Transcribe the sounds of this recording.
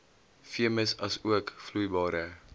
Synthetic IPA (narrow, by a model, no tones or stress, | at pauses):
fiəməsɐsuəkflujbɑːɾə